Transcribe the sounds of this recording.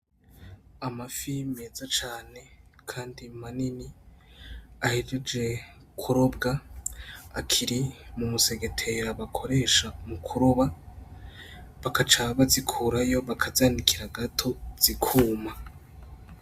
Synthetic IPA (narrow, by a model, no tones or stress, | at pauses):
amafimeːzat͡ʃaːne̞kʰaːndimanini | ahed͡ʒed͡ʒe̞ | kʰuɾo̞bɡaː | kʰiɾimumuse̞ɡe̞tʰe̞ɾaβakʰo̞ɾe̞ʃamukʰuɾoβa | βakat͡ʃaβazikʰuɾajo̞βakʰazaːnikiɾaɡatʰo̞z̥ikʰuːma